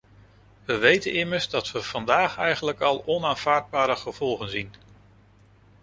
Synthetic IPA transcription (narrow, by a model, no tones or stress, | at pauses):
ʋəʋejtənɪməɹzdɑtʋəv̥ɑndaːχɛjχənləkɑlˠɔnaːnv̥aːɹd̚baːɾəχəv̥ɔlˠχənzin